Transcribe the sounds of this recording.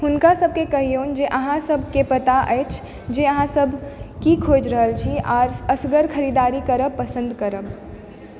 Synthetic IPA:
hʊnkasəb̚ʱkekɐɦijoːnd͡ʒeʔəɦãsɐbʱkepɐt̪aʔəjt͡ʃʰ | d͡ʒeɐɦãsəbʱkikʰoːd͡ʒɾəɦəlt͡ʃʰiɔːɾəsɡəɾkʰəɾiːd̪aːɾikəɾəpɐsə̃nd̪kɐɾəb

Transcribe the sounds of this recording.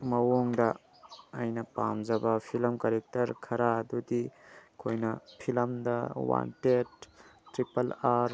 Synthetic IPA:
mɐwoŋdɐː | jnɐpa̰mzɐbɐpʰilɐmkɐɾek̚tɐɾkʰɐɾaːdudikʰojnɐpʰilɐmdɐwa̰ntet̚ːɾipɐlaɾ

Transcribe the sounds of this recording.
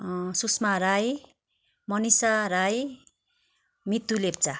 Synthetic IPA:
susmaɾaj | mʌnisaɾaj | mit̪ːulep̚t͡sa

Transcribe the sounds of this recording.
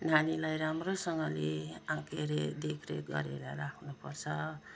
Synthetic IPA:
n̤anilajɾamrosʌŋɡʌleãkeɾed̪ekʰɾeɡʌ̰ɾeɾʌɾakʰnupʌrt͡sʰʌ

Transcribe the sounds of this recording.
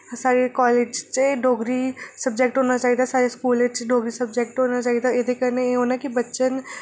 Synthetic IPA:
saːɾekɔːleːd͡ʒt͡ʃɖʱoːɡɾisəbd͡ʒɛːk̚ʈɦoːnat͡ʃaːiːd̪aːsaːɾeskuːlet͡ʃɖoːɡɾisəbd͡ʒɛːk̚ʈɦoːnat͡ʃaːid̪aɪd̪ekəɾneɦoːnɛkibətːʃən

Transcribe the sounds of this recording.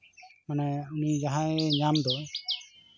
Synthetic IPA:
manaunid͡ʒaɦãɛɲamd̪ɔ

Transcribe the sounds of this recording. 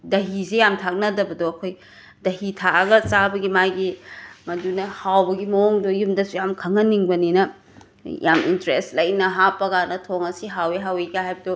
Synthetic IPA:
dɐɦizejamtʰak̚nɐdɐbɐdoɐkʰoj | dɐɦitʰakɐɡɐt͡ʃabɐɡimajɡimɐdunɐhawbɐɡimɐoŋdojumdɐsujamkʰɐŋɐniŋbɐninɐ | jʔa̰mḭntɾestlɐjnɐɦapɐɡanɐtʰoŋɐsiɦaweɦaweɡaɦhajbɐdo

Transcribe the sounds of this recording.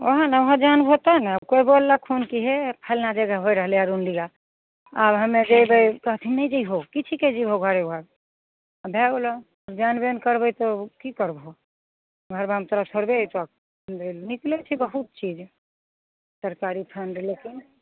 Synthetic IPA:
oɦãnaoɦad͡ʒanbʱot̪anakoibolːakʰonkiɦepʰəlnad͡ʒəɡəɦojɾəɦəleaɾunɖiɡa | abɦəmed͡ʒejbəjkəɦt̪ʰinəjd͡ʒəiɦokit͡ʃʰiked͡ʒiɦoɡʱəɾeɦa | bʱɛɡlɔ | bd͡ʒanbenkəɾbəjt̪ɔkikəɾbʱo | ɡʱəɾbamt̪əɾət̪ʰoɾbet͡ʃak̚ | d̪elniklet͡ʃʰibəɦut̪̚t͡ʃid͡ʒ | səɾkaɾipʰənɖlekin

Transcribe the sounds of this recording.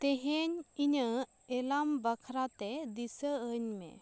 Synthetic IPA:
t̪ɛɦɛɲiɲə | ɛlambakʰɾat̪ɛd̪isəəɲmɛ̰

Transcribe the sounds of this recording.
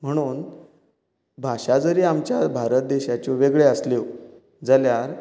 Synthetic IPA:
m̤əɽ̃uːn | bʱaɕad͡zəɾiːamt͡ɕjabʱaɾət̪̚d̪eɕat͡ɕoʋeɡɭeəsle | d͡zəljaɾ

